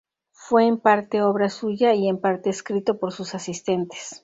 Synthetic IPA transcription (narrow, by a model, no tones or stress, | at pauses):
fwe̞ːmpaɾt̪e̞o̞βɾasuʝaie̞mpaɾt̪e̞ːskɾit̪o̞po̞ɾsusasist̪e̞nt̪e̥s